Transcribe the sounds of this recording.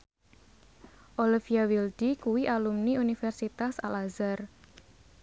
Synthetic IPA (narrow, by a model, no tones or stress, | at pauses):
ʔolifiawild̥ikuwiʔalumniunifɛrsit̪asa̰lazar